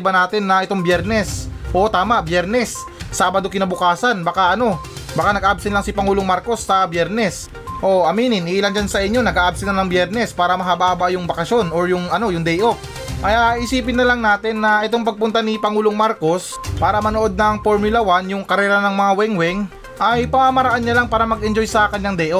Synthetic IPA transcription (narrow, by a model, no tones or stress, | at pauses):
bɐnaːt̪ɪnːɐʔɛt̪o̞ŋbjɛɾnɛsʔo̞t̪aːmɐʔbjɛɾnɛsː | aːbɐd̪o̞kɪnɐbʊkaːsɐnbɐkaʔɐno̞ | bɐkanɐɡʔabsɪnlɐŋsɪpɐŋuːlo̞ŋmaɾko̞sːɐbjɛɾnɛs | ʔo̞ʔɐmiːnɪnʔiːland͡ʒansɐʔɪɲːo̞nɐɡʔaːʔab̚sɪnɐnɐŋbjɛɾnɛspaːɾɐmɐɦabaːbaʔjʊŋbɐkɐʃo̞noɹjʊŋʔɐno̞jʊŋd̪ɛjʔo̞f | ʔɐjaɪsiːp̬ɪnːɐlɐŋnaːt̪ɪnːɐʔɛt̪̬o̞ŋpɐɡ̚pʊnt̪anipɐŋuːlo̞ŋmaɾko̞s | paːɾɐmɐnoʔo̞d̪̚nɐŋfoɾmʊlɐwanjʊŋkɐɾɛːɾɐnɐŋmɐŋawɛŋwɛŋ | ʔɐjpɐmamɐɾɐʔanɲːalaŋpaːɾɐmɐɡʔɛnd͡ʒo̞jsɐkɐnːaŋd̪ɛːʔo